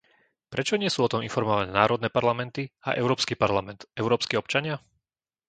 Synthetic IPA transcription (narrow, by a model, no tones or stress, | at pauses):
pɾʔɛt͡ʃɔɲɪɛsuːɔt̪ɔmḭnfɔɾmɔʋanɛːnaːɾɔd̪nɛːpaɾlamɛnt̪ia̰ʔɛʊɾɔːpskipaɾlamɛnt̪ɛʊɾɔːpskiɔpt͡ʃaɲɪa